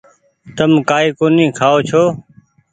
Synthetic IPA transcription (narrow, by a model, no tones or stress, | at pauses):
t̪əmkaːiːkoːnĩːkʰaːoːt͡ʃʰoː